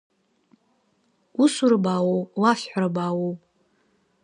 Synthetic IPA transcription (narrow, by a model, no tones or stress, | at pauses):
usuɾɨbaːwowwafħaɾɨbaːwow